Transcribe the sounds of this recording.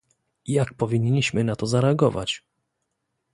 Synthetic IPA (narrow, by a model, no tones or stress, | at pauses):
jak̚pɔvʲiɲːiɕmɘnat̪ɔzaɾɛaɡɔva̰t͡ɕ